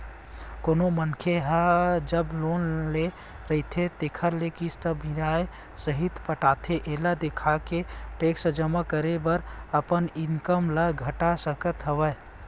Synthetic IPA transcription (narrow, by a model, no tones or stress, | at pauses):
koːnomənkʰeɦəd͡ʒəbloːnle | ɾəɦit̪ʰet̪ekʰəɾlekist̪əbinae | səɦit̪ʰpəʈaːt̪ʰeʔeːlad̪ekʰakeʈeːksəd͡ʒəmakəɾebəɾəpənɪŋkəmləɡʱəʈasəkət̪ɦəʋə